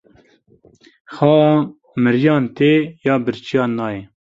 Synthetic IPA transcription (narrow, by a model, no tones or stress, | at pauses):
xɑː | mɨɾjɑːnt̪eːjɑːbɨɾt͡ʃijɑːnɑːjɛ